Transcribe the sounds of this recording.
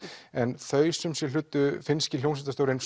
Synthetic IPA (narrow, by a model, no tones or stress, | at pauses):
ɛnθœːɥsʏmsjɛlʏːt̪ːʏfɪnscɪljownsɛnt̪ast̪owɾɪns